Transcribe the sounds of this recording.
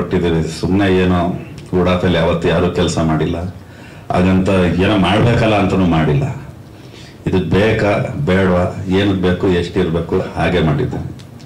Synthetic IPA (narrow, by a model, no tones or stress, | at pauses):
oʈːid̪iːʋesumneeːnoːuːɽaːfɐlːijaːʋɐt̪ːujaːɾuːkɛlsɐmaːɽilːɐ | a̰ːɡɐnt̪ɐeːnumaːɽbeːkɐlːɐːnt̪ɐnuːmaːɽilːɐ̰ | id̪ubeːkɐbeːɽʋɐeːnubeːkueʂʈiɾbeːkuhaːɡe̞maːɽḭd̪ːen